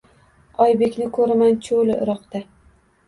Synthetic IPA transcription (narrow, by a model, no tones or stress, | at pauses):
ɒjbekʲnɪkʰɵɾɪmant͡ʃʰolɪɪ̰ɾɒqt̪a